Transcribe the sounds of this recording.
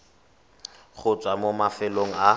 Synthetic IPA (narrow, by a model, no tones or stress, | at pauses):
χʊt͡sʼwamomafɪloŋ̩a